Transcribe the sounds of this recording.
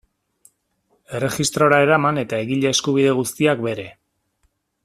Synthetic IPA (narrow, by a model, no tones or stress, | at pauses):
e̞re̞xist̪ɾo̞ɾae̞ɾamane̞t̪ae̞ɣiʎeːskuβ̞iðe̞ɣ̞ust̪iakbe̞ɾe̞